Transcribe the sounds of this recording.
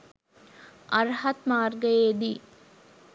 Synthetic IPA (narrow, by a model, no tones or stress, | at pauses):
ʔɐɾhɐt̪maːɾɡɐjeːd̪iː